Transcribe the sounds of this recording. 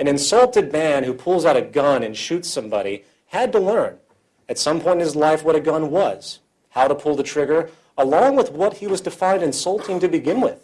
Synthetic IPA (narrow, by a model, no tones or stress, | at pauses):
ɨ̃nɨ̃nsʌlˠtɨd̚mæ̃nhʉpʰʊlˠzaʊɾɨɡʌ̃nɨ̃nʃʉtsʌ̃mbɑ̰ɾḭ | ɨd̚təlɜ̃˞n | ɨtsʌ̃mpʰɔ̃ɪ̃n̩ɨzlaɪfwʌɾɨɡʌ̃nwʌz̥ | haʊɾəpʰʊlˠðətʰɹ̥ɪɡə˞ | əlɔ̃ŋwəðwʌt̚hiwʌzdɨfãɪ̃ndɨ̃nsʌlˠtʰɪ̃ŋtɨbɨɡɪ̃nwɪð̥